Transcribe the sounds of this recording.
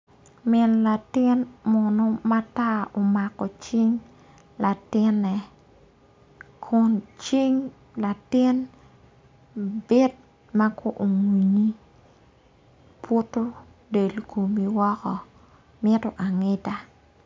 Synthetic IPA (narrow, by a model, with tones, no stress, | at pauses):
mɪ˨nla˨tɪ˦nmɔ˨no˦ma˦ta˦o˨ma˨kɔ˨t͡ʃi˦ŋ | la˨tɪ˦nːɛ˨ | kʰʊ˨nt͡ʃi˦ŋ | la˨tɪ˦n | bɪ˦d̚ | ma˦kʰo˦ʔo˨ŋwi˨ɲi˦ | po˦to˦ | de˨lko˨mi˨wɔ˦kɔ˨ | mɪ˦tɔ˨ʔa˨ŋɪ˦ta˦